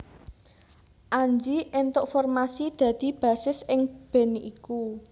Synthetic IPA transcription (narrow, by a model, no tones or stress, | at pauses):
ʔaɲd͡ʒiʔent̪ʊʔfɔrmasid̪̥ä̤d̪̥i̤b̥a̤sɪsɪŋb̥ɛ̤niʔiku